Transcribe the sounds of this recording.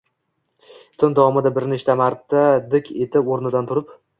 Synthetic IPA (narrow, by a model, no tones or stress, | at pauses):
t̪ʰʊnd̪awɒmɪd̪abɪɾnɪʃt̪amaɾt̪ːad̪ɪkʲet̪ʰɪpoɾnɪd̪ant̪ʰʊɾɪp